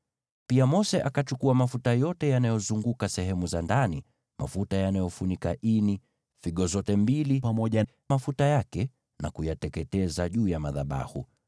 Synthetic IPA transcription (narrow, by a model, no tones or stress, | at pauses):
piamɔsɛʔakat͡ʃukuamafutajɔtɛjanajɔzuŋɡukasɛɦɛmuzandani | mʔa̰futajanajɔfunikaʔini | fiɠɔzɔtɛmbilipamɔʄa | mafutajakɛ | nakujatɛkɛtɛzaʄuːjamaðaɓa̰hu